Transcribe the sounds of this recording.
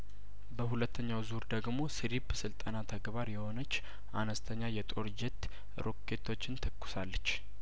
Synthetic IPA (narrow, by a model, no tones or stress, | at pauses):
bəhulət̪ʰːəɲːawzuɾd̪əɡmo̞sɨɾibsɨlt̪ʼənat̪ʰəɡbaɾjɛho̞nət͡ʃː | ʔa̰nəst̪ʰəɲːajɛt̪ʼo̞ɾd͡ʒɛt̪ː | ɾo̞kʰːe̞t̪ʰo̞t͡ʃːɪnt̪ʰəkːʊ̥salːət͡ʃː